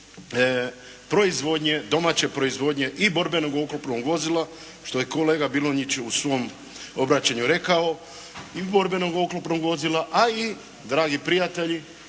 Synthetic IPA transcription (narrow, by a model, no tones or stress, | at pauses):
pɾo̞izʋo̞d̪ɲe̞d̪o̞maːt͡ɕe̞pɾo̞izʋo̞d̪ɲe̞ʔibo̞ɾbe̞no̞ɡoklopnoɡʋo̞zilˠa | ʃt̪o̞jeko̞leːɡabiloɲit͡ɕusʋo̞m | o̞bɾat͡ɕaɲuɾe̞kao̞ | ibo̞ɾbe̞noɡo̞klˠopnoɡʋo̞zilˠaʔai | d̪ɾaːɡipɾijat̪e̞ʎi